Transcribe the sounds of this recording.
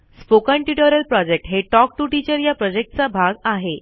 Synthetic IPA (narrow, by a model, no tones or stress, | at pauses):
spokãɳʈiʈəɾəlpɾɔd͡ʑek̚ʈɦeʈɔk̚ʈuʈit͡ɕəɾjapɾɔd͡ʑek̚ʈ̚t͡sabʱaɡaɦe